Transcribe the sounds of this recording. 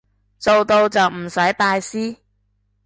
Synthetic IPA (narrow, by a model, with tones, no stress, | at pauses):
t͡so˨wt̪o˧wt͡sɐ˨wm̩˨˩sɐ˨˥jpaː˧jsiː˥